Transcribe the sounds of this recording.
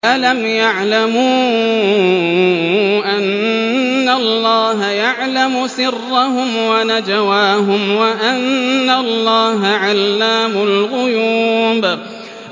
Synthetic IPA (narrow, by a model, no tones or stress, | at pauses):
ʔalamjaʕlamuː | ʔanː | alːɑːɦajaʕlamʊsɪrːaɦʊmwanad͡ʒawaːɦʊmwaʔanːalˤːɑːɦaʕalːaːmʊlɣʊjuːb